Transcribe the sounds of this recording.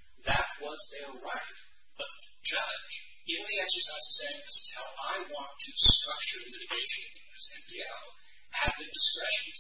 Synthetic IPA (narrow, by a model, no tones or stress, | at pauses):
ðɨt̚wʌzðə˞ɹaɪt̚ | b̥ʌt̪̚ðəd͡ʒʌ̥d͡ʒ | ivɨ̃n̩liɨzɨzaɪzseɪɪ̃ŋðɪsɨ̥z̥haʊʔaɪwɑ̃ntʰɨstɹ̥ʌk̚t͡ʃə˞ɨmɪɾɨɡeɪʃɨ̃nʌɪ̃ŋɨsɛ̃nbiɛlˠ | ɨd̪̚ðɨdɨskɹɛʃɨ̃n̩